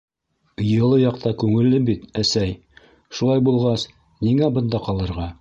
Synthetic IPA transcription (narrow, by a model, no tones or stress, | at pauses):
jɤ̆lˠɤjɑqt̪ɑkʉŋɘ̆lːɘbit̪æsæj | ʃulˠɑjbulˠʁɑs | niŋæbɤ̆nd̪ɑqɑlˠɤ̆ɾʁɑ